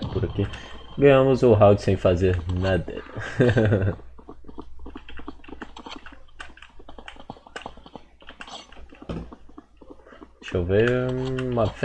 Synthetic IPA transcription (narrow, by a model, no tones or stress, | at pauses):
pʊɾakiɡɐ̃j̃ɐ̃mʊzʊɦawd͡ʒsẽj̃fazeɾnad̪ɛ̰ | ʃovẽũmɐf